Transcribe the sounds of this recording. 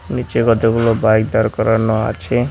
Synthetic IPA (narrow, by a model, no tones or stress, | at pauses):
nit͡ʃeɡɔd̪eɡulobajɡd̪aɾkɔɾɔnɔa̰t͡ʃʰe